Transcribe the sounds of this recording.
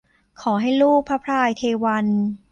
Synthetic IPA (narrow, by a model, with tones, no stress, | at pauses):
kʰɔː˩˦ɦa˥˩jluː˥˩k̚pʰa˦˥pʰɾaː˧jt̪ʰeː˧wa˧n